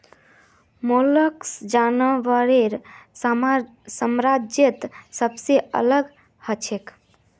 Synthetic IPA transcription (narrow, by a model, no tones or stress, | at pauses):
moləksd͡ʒanəʋəɾeɾ | səmɾad͡ʒjət̪səbseə̰ləɡ | hət͡ʃʰek